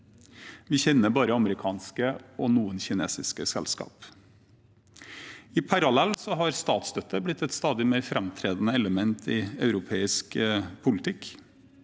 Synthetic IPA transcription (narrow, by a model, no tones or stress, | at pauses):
ʋɪçɛnːəbɑːɾəɑməɾɪkʰɑːnskəɔnuːənçɪnḛːsɪskəsɛ̰lskɑ̰ːp | ɪpʰɑɾɑlɛlːsɔɦɑɾst̪ɑːt̪sd̪œt̪ːəɾblɪt̪ːɛt̪st̪ɑːd̪ɪmeːɾfɾʔɛmt̪ʰɾeːd̪n̩əɛləmɛnt̪ʰɪɑʉɾʊpʰeːɪskpʰʊlɪt̪ʰɪk